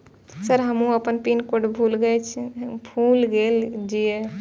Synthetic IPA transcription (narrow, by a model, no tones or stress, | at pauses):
səɾɦəmũəpənpinkoɖbʱulɡɛt͡ʃʰbʱulɡeld͡ʒie